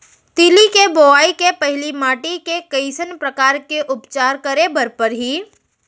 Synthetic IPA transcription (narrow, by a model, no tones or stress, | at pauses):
t̪iːlikeboʋaːikepɛɦlimaːʈikekɐɪsənpɾɐkaːɾkeʔʊpt͡ʃaːɾkɐɾebɐɾpəɾɦiː